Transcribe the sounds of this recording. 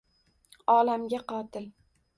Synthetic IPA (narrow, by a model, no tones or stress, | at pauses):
ɒlamɡʲaqɒːt̪ʰɪl